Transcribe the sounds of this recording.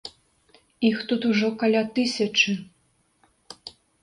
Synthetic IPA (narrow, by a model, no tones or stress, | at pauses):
ixt̪ut̪uʐɔkalʲat̪ɨsʲɐt͡ʂɨ